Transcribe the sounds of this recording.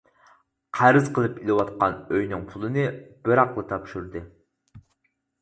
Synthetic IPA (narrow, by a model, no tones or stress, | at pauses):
qʰæɾɨzqʰəlˠɨpilˠɨwɑt̪̚qɑnøjnɨŋpʰulˠɨnɨbɨɾɑqlˠɨt̪ʰɑpʃuɾd̪ɨ